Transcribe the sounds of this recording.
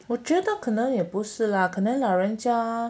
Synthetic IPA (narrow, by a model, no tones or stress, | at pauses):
wɔʈ͡ʂəd̪ɑkʰɤnəŋjɛpuʂɻ̩ləkʰənəŋlaɻənt͡ɕja